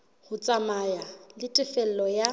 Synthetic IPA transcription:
hʊt͡sʼamajalɪtʼɪfɛl̩lɔja

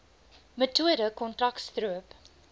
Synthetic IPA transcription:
mətuəɾəkɔntrɐktstruəp

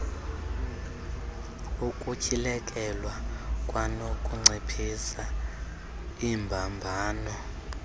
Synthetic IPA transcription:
ukʼucʰʼilɛkʼɛlwakʼwanokʼuŋ͡ǀʱepʰisa | imbʱambʱaːnɔ

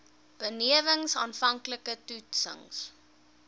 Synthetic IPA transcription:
b̥əniəvəŋsɑːnfɐŋkləkətutsə̰ŋs

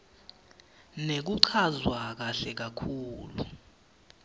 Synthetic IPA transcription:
nek̬uǀʰazwak̬aɬɛk̬akʰuːlṵ

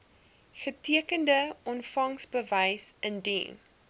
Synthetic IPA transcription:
χətiəkəndəɔnfɐŋsbəvəjsəndḭn

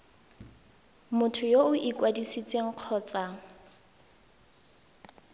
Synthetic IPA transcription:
mʊtʰʊjoʊʔikʼwadisit͡sʼeŋ̩q͡χʰɔːt͡sʼa

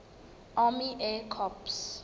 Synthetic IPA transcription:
amiʔɛkʰɔps

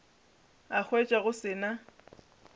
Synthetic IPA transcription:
ak͡xʰwet͡ʃʼaɣʊsɪːna

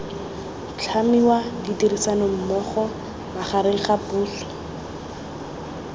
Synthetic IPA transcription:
t͡ɬʰamiwaditirisanom̩mɔχɔ | baχaɾeŋ̩χapuːɬɔ̥

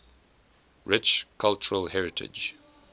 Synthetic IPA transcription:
ɹɪt͡ʃkʰalt͡ʃəɹəlhɛɹɪtʰɪ̰d͡ʒ

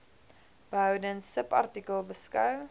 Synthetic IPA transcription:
b̥əɦœwdənsəpɐ̰rtikəlˠbəskœw

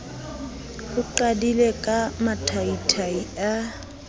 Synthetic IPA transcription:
ʊǃadilekʼamatʰaitʰaia

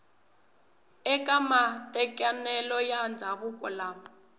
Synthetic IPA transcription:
ɛkʼamatʼɛkʼanɛlɔjand͡zʱaβʊkʼɔlaːmɔ

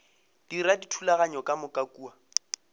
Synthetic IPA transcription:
d̥iɾaditʰulaɣaɲɔkʼamʊkʼakʼuːa

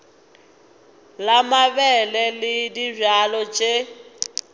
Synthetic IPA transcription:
lamaβɛlɛlɪdizalɔt͡ʃʼe

